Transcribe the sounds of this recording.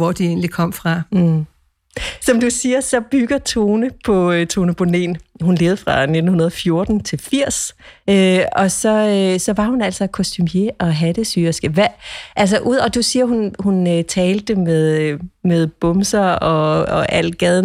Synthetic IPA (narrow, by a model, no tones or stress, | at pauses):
ɒd̥ie̝ːnlikʰɒ̽m̰fʁɑ̈ | sɒ̽md̥usiːɐsɒ̽b̥yɡ̥ɐt͡sʰo̝ːnəpʰɒ̽t͡sʰo̝ːnəpb̥ʰonḛnɦunle̝ːðˠfʁɑ̈ne̝d̥n̩hunɐð̞ˠɒfjo̝ɐd̥n̩t͡sʰe̝lfiɐ̰søɒ̽sɒ̽sɒ̽ʋɑ̈hunæl̰sɒkʰosd̥ʰymje̝ʔɒ̽ɦæd̥əsyːɐsɡ̥əʋæʔæl̰s̬ɐʔuð̰ˠɒ̽d̥usiːɐɦunhunøt͡sʰɛːld̥əmeðˠmeð̞ˠb̥ɔ̽msɐɒ̽ɒʔæl̰d̥ɡ̥ɛðˠn